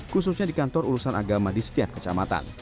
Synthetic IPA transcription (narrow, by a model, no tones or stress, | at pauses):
kus̬usɲadikant̪ɔɾuɾusanʔa̰ɡamadisə̥t̪iap̚kə̥t͡ʃa̰mat̪a̰n